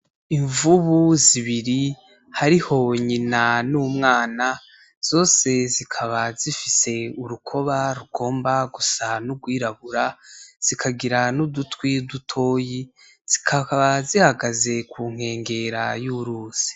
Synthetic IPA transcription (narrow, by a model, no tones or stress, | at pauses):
iɱvuβuziβiɾi | haɾiho̞ɲinanuːmŋaːna | z̥o̞ːse̞zikʰaβazifise̞uɾukʰo̞βaɾuɡo̞ːmbaɡusanuɡwiːɾaβuɾaz̥ikʰaɡiɾanudutwidutʰo̞ːji | z̥i̥kʰaβazihaɡaze̞kʰuːŋ̥e̞ːŋɡe̞ɾa̰juɾuːz̥i̥